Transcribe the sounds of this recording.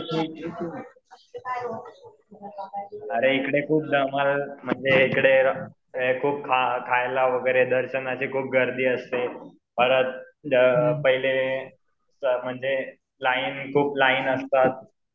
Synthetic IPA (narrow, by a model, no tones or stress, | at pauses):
əɾeikɽekʰuːp̚d̪əmalm̤əɳd͡zeikɽe | kʰuːp̚kʰakʰajlaʋəɡəjɾed̪əɾɕənat͡ɕiːkʰuːp̚ɡʱəɾd̪iːəst̪e | bʱəɾət̪̚ | pəɦile | səm̤əɳd͡ze | lainkʰuːplaiːnəst̪at̪̚